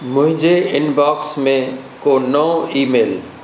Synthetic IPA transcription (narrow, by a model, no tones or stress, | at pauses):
mʊ̃ɦɪ̃d͡ʒeɪnbaːksmẽ | konɔ̃iːmeːl